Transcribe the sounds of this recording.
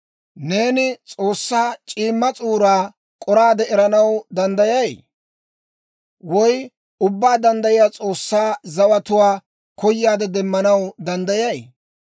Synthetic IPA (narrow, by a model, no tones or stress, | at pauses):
ne̞ːnɪt͡sʼoːsːaːt͡ʃʼiːmːɐt͡sʼuːɾaː | kʼɔɾaːd̪ɛʔɛɾɐnɐwd̪ɐnd̪ɐjɐj | wɔj | ʊbːaːd̪ɐnd̪ɐjɪjaːt͡sʼoːsːaːzɐwɐt̪ʊwaː | kɔjːaːd̪ɛd̪ɛmːɐnɐwd̪ɐnd̪ɐjɐj